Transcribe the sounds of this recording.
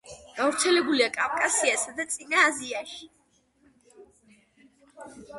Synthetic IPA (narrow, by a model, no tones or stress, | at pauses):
ɡ̥avɾt̪sʰɛlɛbuliakʼavkʼasiasad̪at̪sʼinaːziaʃi